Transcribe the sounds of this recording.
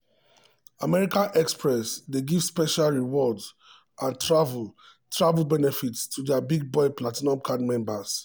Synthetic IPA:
amɛɹikãnɛkspʰɹɛsdeɡiv̥spɛʃalɹiwɔdz | ʔãntɹavul | tʰɹavulbɛnɛfitstʰudɛabiɡ̚bɔɪplatinɔ̃mkʰadmɛ̃mbas

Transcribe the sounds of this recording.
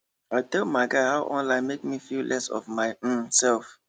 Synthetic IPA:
aɪtɛlˠmaɪɡaɪhaʊʔɔ̃nlãɪ̃nmek̚mifillʔɛsɔ̰vmaɪsɛlˠf

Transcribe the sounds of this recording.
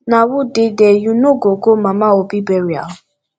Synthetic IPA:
nawudedejunoɡoɡomãmãobibɛɾia̰ʊ

